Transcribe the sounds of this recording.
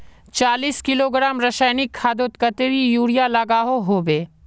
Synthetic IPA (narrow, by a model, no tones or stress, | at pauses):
t͡ʃaːliːskɪloːɡɾaːmɾɐʃaːnɪkʰːaːd̪ot̪kɐt̪ɾijuːɽijalɐɡaːɦoɦoːbeː